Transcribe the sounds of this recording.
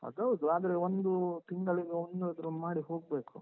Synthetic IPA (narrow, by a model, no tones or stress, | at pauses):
ɐ̰d̪ɐʋud̪uaːd̪ɐɾeond̪ut̪iŋɡɐɭiɡeond̪uɐd̪ɾumaːɽiɦo̞ːɡ̚be̞ːku